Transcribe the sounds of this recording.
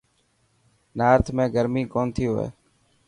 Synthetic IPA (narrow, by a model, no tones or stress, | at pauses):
naːɾt̪ʰmẽːɡəɾmiːkoːnt̪ʰɪːɦoḛː